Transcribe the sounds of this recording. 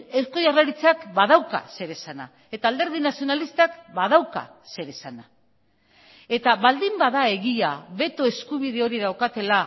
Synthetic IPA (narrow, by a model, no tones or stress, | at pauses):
esko̞jarlaɾit͡sakbað̞awka̰se̞ɾe̞sana̰ | e̞t̪aːld̪e̞ɾð̞inasio̞nalist̪akbað̞awka̰se̞ɾe̞sana | e̞t̪aβald̪imbaðae̞ɣiaβe̞t̪o̞e̞skuβ̞iðe̞o̞ɾiðawkat̪e̞la